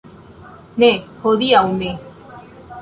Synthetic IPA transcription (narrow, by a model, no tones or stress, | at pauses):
nẽhoðiaumẽ